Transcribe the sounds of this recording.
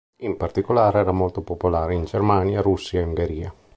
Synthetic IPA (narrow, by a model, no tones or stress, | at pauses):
impart̪ikolaːɾeɛːɾamolt̪opopolaːɾeind͡ʒermaːnjaɾusːiauŋɡeɾiːa̰